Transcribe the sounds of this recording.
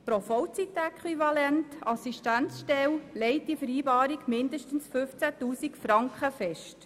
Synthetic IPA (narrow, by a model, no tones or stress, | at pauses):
pɾofɔwt͡sitɛkʰwivɑlɛntɑsiʃtænt͡sʃtɛwlɛɪt̚difəɾiːbɑːɾiɡmɪndəʃtən̩sfʏft͡sætuːsikfɾɑŋkχəfɛʃt